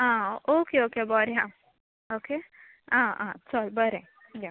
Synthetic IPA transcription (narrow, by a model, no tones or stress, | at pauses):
ãʔokeokebɔɾjã | oke | ãã̰sɔlbəɾe | ja